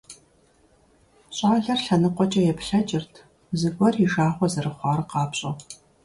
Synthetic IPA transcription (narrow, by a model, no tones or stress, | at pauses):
ɕʼɑːɮɐrɬɐnɨqʷɔt͡ʃʼɐjɛpɬɐt͡ʃʼɪrtʰ | zɨɡʷɔriʒaːʁʷɔzɐrɨχʷɑːrɨqɑːpɕʼɐ